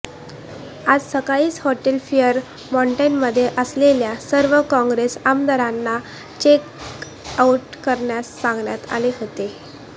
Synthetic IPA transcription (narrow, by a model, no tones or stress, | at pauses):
ad͡zsəkaɭiːshɔʈelfijəɾ | mɔɳʈəjnməd̪ʱːjeʔəsleljasəɾʋəkɔ̃ŋɡɾesamd̪əɾanːa | t͡ɕek | auʈkəɾɳjasːãŋɡɳjat̪a̰leɦot̪e